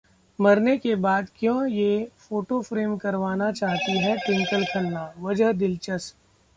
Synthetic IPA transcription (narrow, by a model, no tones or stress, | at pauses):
mɐɾnekebaːd̪kjõːjefoːʈofɾeːmkɐɾʋaːnat͡ʃaːɦt̪iɦɛʈɪ̃ŋkəlkʰɐnːaːʋɐd͡ʒɦd̪ɪlt͡ʃəs